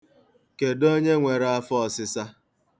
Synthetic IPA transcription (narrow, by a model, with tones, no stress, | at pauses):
ke˨do˦ɲe˦ŋʷe˨ɾa˦fɔ˦ɔ˨sɪ˨sa˦